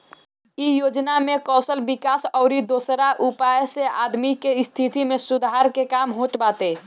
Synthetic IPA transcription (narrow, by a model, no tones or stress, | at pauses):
ijoːd͡ʒnamekɔːsəlbikaːsɔʊɾid̪oːsɾaʔupajseʔad̪mikest̪ʰit̪imesud̪ʱaɾkekaːmɦõʈbaːt̪e